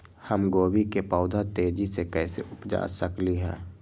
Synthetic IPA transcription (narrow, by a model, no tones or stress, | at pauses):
həmɡoːbikepɔːʊd̪ʱat̪eːd͡ʒisekɛːsḛʊpd͡ʒa̰ːsəkliɦɛ̰̃ː